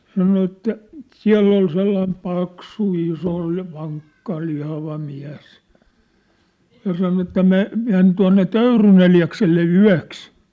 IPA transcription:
sɑno etːæ siæ̝lː ol selːɑim pɑksu iso ʋɑŋkːɑ lihɑʋɑ miæs jɑ sɑno etːæ me men tuɑ̝nːe tøyryn eliɑkselːe yæ̝ks

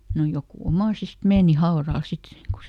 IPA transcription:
no jokuˑ omɑˑsist meːni hɑorɑl sit ku

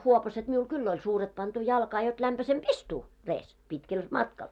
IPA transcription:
huopɑset miul kylː olʲ suːret pɑntu jɑlkɑː jot læmpæsemp istuː reːs pitkel mɑtkɑl

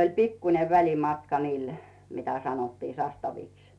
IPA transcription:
olʲ pikːune ʋælʲimɑtkɑ niːl mitæ sɑnotːiː sɑstɑʋiks

